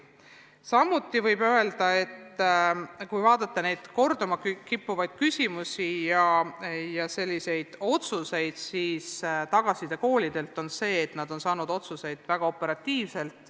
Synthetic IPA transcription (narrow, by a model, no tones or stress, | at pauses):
sɑmːut̪ːˑivɤjbø̞e̞ld̪ɑe̞t̪ː | kujvɑːd̪̥ɑt̪ːˑene̞jd̪̥ko̞rd̪̥omɑkkipːuvɑjd̪̥̚kysʲimusijɑjɑse̞lʲːise̞jd̪̥o̞t̪suse̞jd̪̥siːst̪ɑɡ̥ɑsid̪̥e̞ko̞ːlid̪̥e̞lt̪ːˑo̞nse̞ːt̪nɑd̪̥o̞nsɑːnud̪̥o̞t̪suse̞jd̪̥væɡ̥ɑo̞pːˑe̞ɾɑt̪ːiːvse̞lt̪ˑ